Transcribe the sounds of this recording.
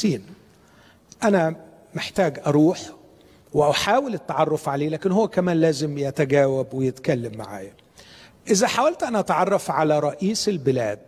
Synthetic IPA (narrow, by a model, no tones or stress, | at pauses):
iːn | ʔænæ | meħt̪æːɡʔɑɾˤuːħ | wɪʔaħaːwɪlɪt̪ːɑʕɑrˤːofʕaleːlæːkɪnhowːækæmæːnlæːzɪmjæt̪æɡæːwæbwɪjet̪kælːæmːa̰ʕa̰ːjæ | ʔɪzæħawælt̪ʔænæʔɑt̪ʕɑrˤːɑfʕalæɾˤɑʔiːsɪlbɪlæːd̪̚